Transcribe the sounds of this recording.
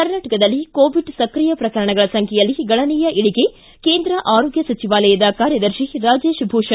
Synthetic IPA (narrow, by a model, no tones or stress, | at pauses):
kɐɾnaːʈɐkɐd̪ɐlːikoːʋiɖsɐkɾijɐpɾɐkɐɾɐɳɐɡɐɭɐsɐŋkʰɛjɐlːiɡɐɭɐniːjɐʔiɭiɡe̞ | keːnd̪ɾɐʔaːɾoːɡjɐsɐt͡ʃiʋaːlɐjɐd̪ɐkaːɾjɐd̪ɐɾʃiɾaːd͡ʒeːʃbʱuːʂɐ